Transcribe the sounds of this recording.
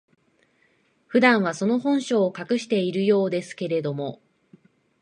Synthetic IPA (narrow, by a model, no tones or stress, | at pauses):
ɸɯ̟d̪ãɰ̃βaso̞no̞hõ̞ɰ̃ɕo̞ːkakɯ̟ɕi̥t̪e̞iɾɯ̟jo̞ːd̪e̞sɨ̥ke̞ɾe̞d̪o̞mo̞